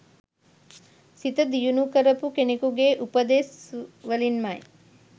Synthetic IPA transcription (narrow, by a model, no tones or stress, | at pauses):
sit̪ɐd̪ijunukɐɾɐpukenikuɡeʔupɐd̪eːsʋɐlinmaj